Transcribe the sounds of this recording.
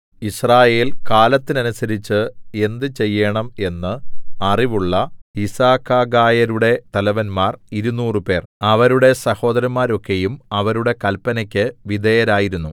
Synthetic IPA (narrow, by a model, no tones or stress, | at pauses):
israːje̞ːlkaːlɐt̪ːinɐnusɐɾit͡ɕːɨe̞nd̪ɨt͡ɕe̞jːeɳɐme̞nːɨɐriʋuɭːɐisaːkːaːɡaːjɐɾuɽe̞t̪ɐlɐʋɐnmaːriɾunuːrɨpe̞ːrɐʋɐɾuɽe̞sɐho̞ːd̪ɐɾɐmaːɾo̞kːe̞jumɐʋɐɾuɽe̞kɐlpːɐnɐkʲːɨʋid̪ejɐɾaːjiɾunːu